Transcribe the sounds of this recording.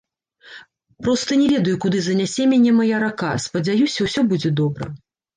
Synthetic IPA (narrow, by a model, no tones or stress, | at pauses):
pɾɔst̪ɐnʲɛvʲɛd̪ɐjukud̪ɨzɐnʲasʲɛmʲanʲɛmajaɾaka̰spɐd͡zʲajusʲɐwsʲɔbud͡zʲɛd̪ɔbɾɐ̰